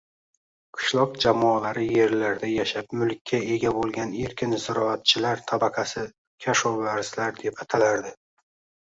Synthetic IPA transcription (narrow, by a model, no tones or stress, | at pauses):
qʰʊ̥ʃlˠɒq̚d͡ʒamɒalaɾɪje̞ɾlaɾd̪ajaʃap̚mʊlkʲʰːae̞ɡʲabolˠɡʲaneɾkʲʰɪnzɪɾɒat̪̚t͡ʃʰɪlaɾt̪ʰabaqʰasɪ | kʲʰaʃɒvaɾzlaɾd̪e̞pat̪ʰalaɾd̪ɪ